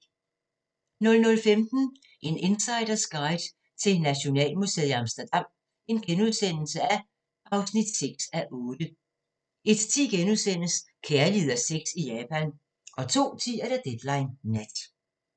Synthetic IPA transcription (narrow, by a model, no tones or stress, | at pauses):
nɔ̽lnɔ̽lfemd̥n̩ | ʔe̝ne̝nsɑ̈ɪdɐsɡ̥ɑ̈ɪd̥ | t͡sʰe̝lnæɕo̝nɛ̰ːlmusḛɑ̈msd̥ɐd̥ɑ̈m̰ | e̝nɡ̥enuðˠsen̰l̩səæ | ʔɑ̈ʊsnid̥seɡ̥sæʔɔ̽ːd̥ə | e̝d̥t͡sʰḭɡ̥enuðˠsen̰əs | kʰeːɐlið̰ˠɐseɡ̥sijɛːpʰæn | ʔɒ̽t͡sʰo̝̰ːt͡sʰḭæɐɾ̥æd̥ed̥lɑ̈ɪnːæd̥